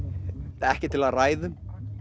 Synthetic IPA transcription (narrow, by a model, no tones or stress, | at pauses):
ɛhcɪt̪ʰɪlaðraːjðʏ